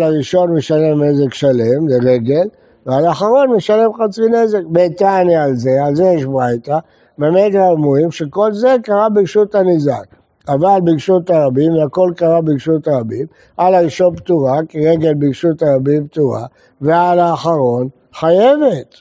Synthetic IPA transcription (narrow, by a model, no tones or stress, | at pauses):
laʁiʃo̞nmeʃale̞mnezekʃale̞mleʁe̞ɡe̞l | vealaχaʁo̞nmeʃale̞mχat͡sine̞ze̞kbetanjialze̞alzejeʃbʁajta | meamedamuimʃeko̞lze̞kaʁabiɡʃutanizak | avalbiɡʃutaʁabimvako̞lkaʁabiɡʃutaʁabim | alaʁiʃonptuʁakiʁeɡe̞lbiɡʃutaʁabimp̚tuʁa̰ | vealaːχaʁo̞n | χajevet